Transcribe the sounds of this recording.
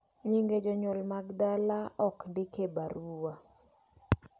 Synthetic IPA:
ɲiŋɡed͡ʒɔɲɔlmaɡdalaɔkndɪkebaɾuwa

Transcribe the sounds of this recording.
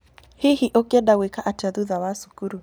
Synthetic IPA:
hihiʔokɛdawekaʔataðuðawasu̥kuɾu

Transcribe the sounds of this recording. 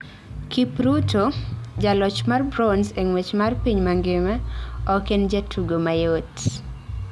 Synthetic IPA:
kipɾutod͡ʒalɔt͡ʃmarbɾɔnseŋwet͡ʃmarpiɲmaŋɡɪmɛɔkend͡ʒetʰuɡomajot

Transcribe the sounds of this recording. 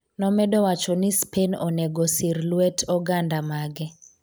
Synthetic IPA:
nɔmɛdɔwat͡ʃɔnɪspʰenɔ̰nɛɡɔsirlwɛtʰɔɡandamaɡɛ

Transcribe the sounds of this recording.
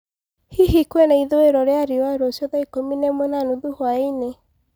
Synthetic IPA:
hiɦikwɛnaiðoeɾɔɾeaɾiwaɾosjɔðaikominemonanuðuhwaine

